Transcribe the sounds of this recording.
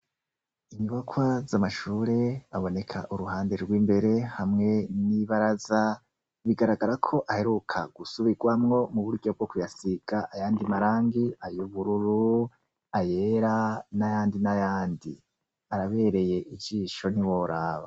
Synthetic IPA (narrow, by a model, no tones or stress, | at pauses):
iɲuβakʰwazamaʃuːɾe̞aβo̞ne̞kʰa̰ʔuɾuɦaːnde̞ɾɡwiːmbe̞ɾe̞hamŋe̞niβaɾaza | βiɡaɾaɡaɾakʰo̞ʔahe̞ɾukʰaɡ̥usuβiɡwamŋo̞muβuɾɟo̞b̚ɡo̞kujasiɡ̥aʔajaːndimaɾaːŋɡiajuβuɾuɾu | ajeɾanajaːndinajaːndi | aɾaβe̞ɾe̞je̞ʔid͡ʒiːʃo̞niwo̞ɾaːβa̰